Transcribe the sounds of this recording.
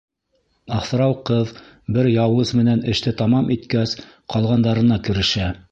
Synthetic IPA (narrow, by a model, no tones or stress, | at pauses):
ɑχθɾɑwqɤð | bɘɾjɑwɤzmɘ̆nænɘ̆ʃt̪ɘt̪ɑmɑmit̪kæs | qɑlˠʁɑnd̪ɑɾɤ̆nɑkɘ̆ɾɘ̆ʃæ